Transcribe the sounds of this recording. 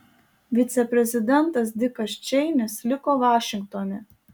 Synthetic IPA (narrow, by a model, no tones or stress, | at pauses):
ʋʲɪt̪sʲɛpʲɾʲɛzʲɪd̪ʲɛnˑt̪ɐsd̪ʲɪkɐst͡ʃʲɛɪnʲɪslʲɪkoːʋɑːʃʲɪŋk̚t̪oːnʲɛ